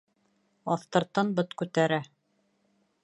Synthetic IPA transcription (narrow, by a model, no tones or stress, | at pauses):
ɑθt̪ɤ̆ɾt̪ɤnbɤt̪kʉt̪æɾæ